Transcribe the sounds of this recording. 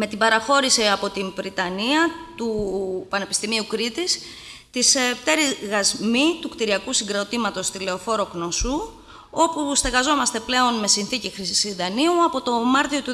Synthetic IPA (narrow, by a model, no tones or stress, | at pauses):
me̞t̪ibɐɾɐxo̞ɾisiɐpo̞t̪invɾit̪ɐniɐt̪upɐne̞pi̥st̪imiukɾit̪is | t̪iseft̪e̞ɾizɣɐzmit̪ukt̪iɾiɐkusiŋɡɾo̞t̪imɐt̪o̞st̪ile̞o̞fo̞ɾo̞kno̞su | o̞pust̪eɣɐzo̞mɐst̪e̞ple̞o̞nme̞sinθicixɾisiðɐniuɐpo̞t̪o̞mɐɾt̪io̞t̪u